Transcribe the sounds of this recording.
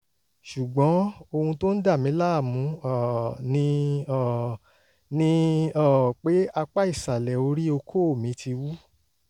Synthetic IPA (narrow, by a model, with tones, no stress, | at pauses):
ʃu˨ɡ͡bɔ̃˨˦o˧hũ˧to˦n̩˦da˦˨mĩ˨˦la˦˨mũ˨˦˨nĩ˧˦˨ | nĩ˧˦ɔ˦˨k͡pe˨˦a˧k͡pa˦i˦˨sa˨lɛ˨o˧˦ɾi˦o˧kʰo˦o˦˨mĩ˨˦tʰi˧wu˦